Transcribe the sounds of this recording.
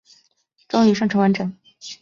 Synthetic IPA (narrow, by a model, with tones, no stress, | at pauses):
ʈ͡ʂʊ˥ŋy˧˥ʂɤ˥˩ŋʈ͡ʂʰɤ˧˥wa˧˥nʈ͡ʂɤ˨˩ŋ